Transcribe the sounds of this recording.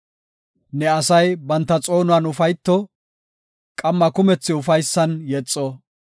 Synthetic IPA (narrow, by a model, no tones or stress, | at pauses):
nɛɐsɐjbɐnt̪ːɐt͡sʼo̞ːnʊaːnʊfɐjt̪ːɔ | kʼɐmːɐkʊmɛt͡sːɪʊfɐjsːɐnjɛt͡sʼːɔ